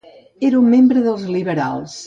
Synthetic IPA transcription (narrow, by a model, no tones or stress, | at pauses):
eɾumːembɾəðəlˠzliβəɾa̰lˠs